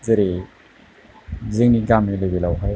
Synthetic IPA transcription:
zɯɾi | zɯŋniɡamilɯbilawɦaj

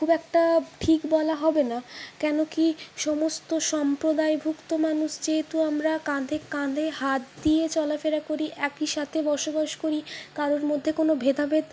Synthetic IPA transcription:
kʰubɛk̚ʈaʈʰikbɔlaɦɔbenakɛnokiʃɔmost̪oʃɔmpɾod̪aebʱukt̪omanuʃd͡ʑeɦet̪uamɾakãd̪ʱekãd̪ʱehat̪̚d̪ijet͡ɕɔlafeɾakoɾiʔɛkiʃat̪ʰebɔɾʃobaʃkoɾikaɾoɾmod̪ʱːekonobʱed̪ʱabed̪

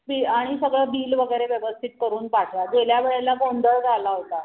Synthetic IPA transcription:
biaɽ̃isəɡɭəbiːlʋəɡəjɾeʋjəʋəst̪ʰit̪̚kəɾuːnpaʈʰjad͡zeljaʋeɭelaɡond̪ʱəɭd͡zʱalaɦot̪a

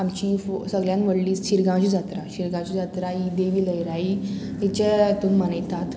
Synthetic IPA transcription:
amt͡ɕifsəɡljãnʋəɽliːsɕiɾɡãt͡ɕud͡zat̪ɾaɕiɾɡãwt͡ɕud͡zat̪ɾaid̪eʋiːləjɾaiit͡ɕɛt̪umːənəjt̪at̪

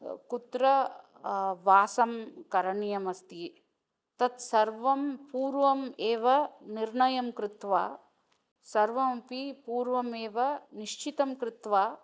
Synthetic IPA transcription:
kut̪ɾɐ | ʋaːsɐmkɐɾɐɳijɐmɐst̪i | t̪ɐt̪sɐɾʋɐmpuːɾʋɐmeːʋɐniɾɳɐjɐmkɾɪt̪ʋaː | sɐɾʋɐmɐpipuːɾʋɐmeːʋɐniʂt͡ʃit̪ɐmkɾɪt̪ʋaː

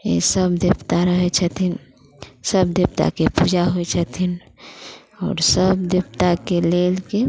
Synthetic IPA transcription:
ḛsəbd̪ipt̪aɾəɦɛt͡ʃʰət̪ʰin | səbd̪ipt̪a̰kepud͡ʒaɦojt͡ʃʰət̪ʰin | ɔ̰ːɾsəbd̪ipt̪akelelke

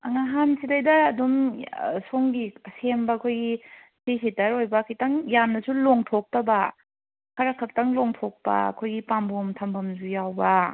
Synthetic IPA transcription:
aŋaɦamsʰidajdɐːdumsoŋɡisembakʰojɡi | sesetaɾojbakʰajtaŋjamnɐsuloŋtʰok̚tɐba | kʰaɾakʰak̚taŋloŋtʰok̚pa̰ɐ̰kʰojɡipambomtʰambʰɐmzujawbɐ

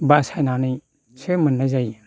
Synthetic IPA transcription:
basajnanij | sʰemənːazaj

